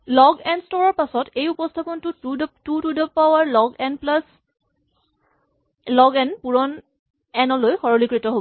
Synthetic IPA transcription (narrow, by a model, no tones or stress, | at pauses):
lɔɡɛnstɔɹɔɹpasɔtʰejupɔstʰapɔntutudtutudɔppawaɹlɔɡɛnplas | lɔɡɛnpuɹɔn | ɛnɔlojxɔɹɔlikɹitɔɦobɔ